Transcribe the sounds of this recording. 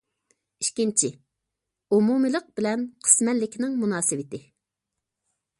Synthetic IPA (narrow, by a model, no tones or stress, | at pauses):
i̥ʃkʲint͡ʃʰɪ | umumɨlˠəq̚bɪlɛnqʰə̥smɛnlːɪkʲnɪŋmunɑːsɨwɪt̪ɪ